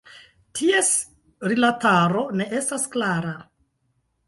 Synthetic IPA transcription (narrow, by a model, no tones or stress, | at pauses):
tʰies | ɾilataɾo̞ne̞ʔe̞stasklaɾa